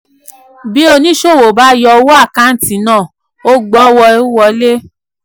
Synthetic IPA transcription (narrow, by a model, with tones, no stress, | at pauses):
bi˦o˧nĩ˦ʃo˦˨wo˨ba˦jɔ˧wo˦a˦˨kã˦n̩˦tĩ˨nãː˦˨ | o˦ɡ͡bɔ˦wɔ˧˦wɔ˧le˦